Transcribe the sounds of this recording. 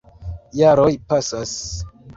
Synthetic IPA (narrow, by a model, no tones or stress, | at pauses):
jaɾojpasas